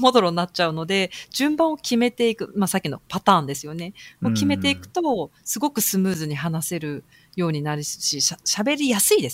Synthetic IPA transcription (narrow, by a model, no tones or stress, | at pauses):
mo̞d̪o̞ɾo̞nːatt͡ɕaɯ̟no̞d̪e̞d͡ʑɨ̃mbãɰ̃o̞kʲime̞t̪e̞ikɯ̟masakʲːino̞̰pat̪ãːnd̪e̞sɨjo̞ne̞okʲime̞t̪e̞ikɯ̟̥t̪o̞sɨɡo̞kɯ̟sɨmɯ̟ːzɨɲ̟iɦanase̞ɾɯ̟ | jo̞ːɲ̟inaɾʲisɕiɕaɕabe̞ɾʲijasɨid̪e̞s